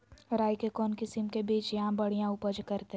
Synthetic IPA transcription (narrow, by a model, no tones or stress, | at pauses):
ɾaːjkekɔːnkɪsɪmkebiːt͡ʃjɐɦãbɐɽ̤ijãʊpəd͡ʒkɐɾt̪e